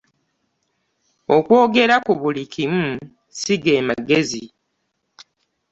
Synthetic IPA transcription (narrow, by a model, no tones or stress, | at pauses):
o̞kwo̞ːɡe̞ɾakuβulikʰimu | siɡe̞ːmaɡe̞zi